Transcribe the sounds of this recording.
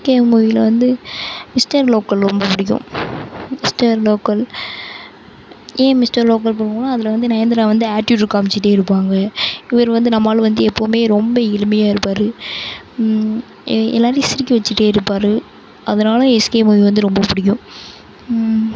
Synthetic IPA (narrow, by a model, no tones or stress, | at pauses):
keːmuɪɪlɐʋɐnd̪ɯmɪsʈɐɾloːkːɐlɾɔmbɐpʊɽɪk̬ːʊ̰̃ | mɪsʈɐɾloːkːɐl | ẽːmɪsʈɐɾloːk̬ɐlpɐɾːɯŋɡɐnːaːɐðɪlɐʋɐnd̪ɯnɐjɐnd̪ɐɾãːʋɐnd̪ɯaːʈːuːʈɾɯkːaːmɪt͡ʃːɪʈ̬ːeːɪɾɯpːaːŋɡɐɪʋɐɾʋɐnd̪ɯnɐmːaːlɐʋɐnd̪ɯɛpːoːmeːɾɔmbɐɪlɯmɐjaːɪɾɯpːaːɾɯ | ɛ̰lːaːɾɪjsɪɾɪkʲːiʋɐt͡ʃːɯʈːeːɪɾɯpːaːɾɯ | ɐðɐnaːlɐ̃ɛskeːmujɪʋɐnd̪ɯɾɔmbɐpʊɽɪk̬ːʊ̃